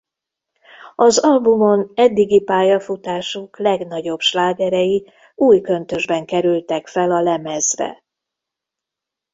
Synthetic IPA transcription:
ɒzɒlbumo̞nɛd̪ːiɡipaːjɒfut̪aːʃuklɛɡnɒɟo̞bʃlaːɡɛɾɛji | uːjkø̞nt̪ø̞ʒbɛŋkɛɾylt̪ɛkfɛlɒlɛmɛzrɛ̰

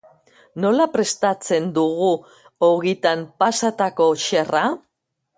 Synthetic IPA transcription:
no̞lapɾe̞st̪at͡se̞nd̪uɣu | oɣit̪ampasat̪ako̞ʃe̞ra

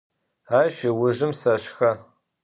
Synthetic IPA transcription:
aːʃiwʊʒɪmsɐɕxɐ

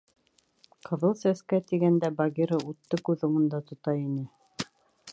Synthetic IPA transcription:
qʰɤ̆ðɤlˠsæskæt̪iɡænd̪æbɑɡʲiɾɤut̪ːɤkʉðŏɴɤ̆nd̪ɑt̪ŏt̪ɑinɘ

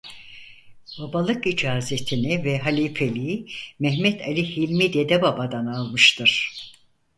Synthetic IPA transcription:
b̥abalˠɯkid͡ʒaːze̞t̪ʰinivɛɦalʲifʰelʲimɛɦmɛt̪ʰalʲihilʲmid̪ed̪ɛbabad̪analˠmɯʃt̪ʰɯɾ̥

